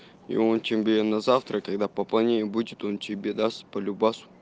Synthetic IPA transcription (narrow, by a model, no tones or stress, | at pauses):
ḭont͡ʃʲɪmbʲenɐzaft̪ɾəkɐɡd̪apəplˠɐnʲeɪbudʲɪt̪ont͡ɕɪbʲed̪ast̪pəlʲubasʊ̥